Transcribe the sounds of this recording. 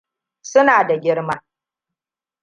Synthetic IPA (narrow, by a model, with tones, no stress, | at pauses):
sʊ˦naː˨da˨ɡʲɪ˦ɽma˦